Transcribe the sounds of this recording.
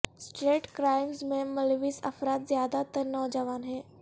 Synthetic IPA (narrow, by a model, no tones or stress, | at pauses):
sʈɾeːʈkɾaːɪmzmẽmɐlʋisɐ̰fɾaːt̪zjaːd̪at̪ɐɾnɔːd͡ʒəʋaːnɦɛ̃ː